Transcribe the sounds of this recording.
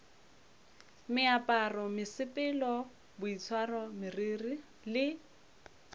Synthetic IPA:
mɪapʼarɔmɪsɪpʼɪlɔ | bʊit͡sʰwarɔmɪriːri | lɪ

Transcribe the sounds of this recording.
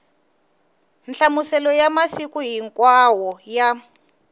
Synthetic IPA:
nɬamusɛlɔjamasikuɦiŋkwawɔja

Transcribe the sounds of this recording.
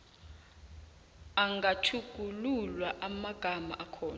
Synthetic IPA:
aŋɡatʰuɡ̥ʱululwaʔamaɡ̥ʱama̰ʔakʰɔːna

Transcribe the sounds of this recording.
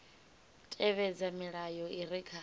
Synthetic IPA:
tʼɛβɛd͡zamiɺajɔiɾikʰa

